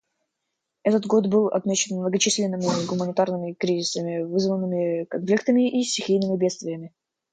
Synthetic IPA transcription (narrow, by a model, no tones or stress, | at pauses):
ɛt̪ət̪ɡo̞t̪bɨlˠɐ̰t̪mʲet͡ɕɪnmnəɡət͡ɕisʲlʲɪnːɨmʲɪɡʊmənʲɪt̪arnɨmʲɪkɾʲizʲɪsəmʲɪvɨzvənːɨmʲɪkɐnflʲikt̪əmʲɪʔisʲtʲɪxʲijnɨmʲɪbʲe̞t̪st̪vʲɪjəmʲɪ